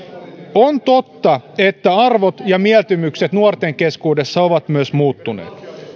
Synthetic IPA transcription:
ont̪ot̪ːɑet̪ːæɑrʋot̪jɑmiælt̪ymykset̪nuort̪eŋkeskuːde̞sːɑoʋɑt̪myøsmuːt̪ːunḛːt̪

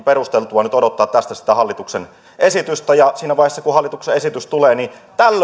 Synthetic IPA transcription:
peɾust̪elt̪uɑnyt̪odot̪ːɑːt̪t̪æst̪æsi̥t̪æhɑlːit̪uksen | esit̪yst̪æjɑsiːnæʋɑijhesːɑkuhɑlːˑit̪ukseesit̪yst̪uleːnit̪ælː

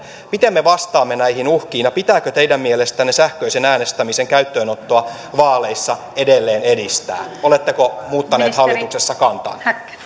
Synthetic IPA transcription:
mit̪emːeʋɑst̪ɑːmːenæihinuhkiːnjɑpit̪æːkøt̪eidæmmielest̪ænːesæhkøisenæːnest̪æmiseŋkæyt̪ːøːnot̪ːoɑ | ʋɑːleisːɑ | edelːeːnedist̪æ̰ːolet̪ːekomuːt̪ːɑneːt̪hɑlːit̪uksesːɑkɑnt̪ɑ̰n

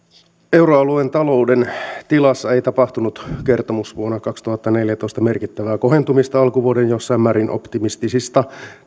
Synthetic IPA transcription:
e̞uɾoɑluent̪ɑlo̞udent̪ilɑsːɑe̞jt̪ɑpɑht̪unut̪ke̞rt̪o̞musʋuonːɑkɑkst̪uhɑt̪ːɑne̞ljæt̪o̞ist̪ɑmerkit̪ːæʋæːko̞ɦe̞nt̪umist̪ɑɑlkuʋuodenjo̞sːɑimːæːɾinʔo̞̰pt̪imist̪isist̪ɑ

